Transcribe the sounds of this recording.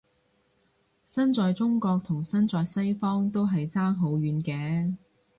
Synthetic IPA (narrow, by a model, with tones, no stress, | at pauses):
sɐ˥nt͡sɔː˨jt͡sʊ˥ŋkɔː˧k̚t̪ʰʊ˨˩ŋsɐ˥nt͡sɔː˨˧jsɐ˥jfɔː˥ŋt̪o˥wɦɐ˨jt͡saː˥ŋɦo˨˥wɥyː˨˧nkɛː˨˧